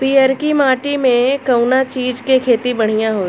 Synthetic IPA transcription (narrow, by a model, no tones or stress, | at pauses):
piːəɾkimaːʈimẽkɐʊnat͡ʃiːd͡ʒkekʰeːt̪ibɐɽ̤̃ijãɦoː